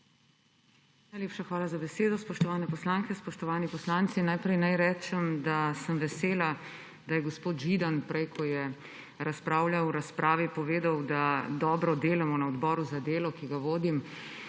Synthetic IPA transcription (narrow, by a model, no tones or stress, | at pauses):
najlepʃaxʋaːlazabɛseːd̪ɔspɔʃt̪ɔʋaːnɛpɔslaːŋkɛspɔʃt̪ɔʋaːnipɔslaːnt̪sinːajpɾɛjnajɾɛːt͡ʃɛmd̪asəmʋɛseːla | d̪ajɛɡɔspoːt̪ʒid̪anpɾɛjkʰɔjɛ | ɾaspɾaːwljawɾaspɾʔaːʋipɔʋeːd̪awd̪ad̪ɔːbɾɔd̪eːlɛmɔnaɔd̪bɔːɾuzad̪eːlɔkiɡaʋoːd̪im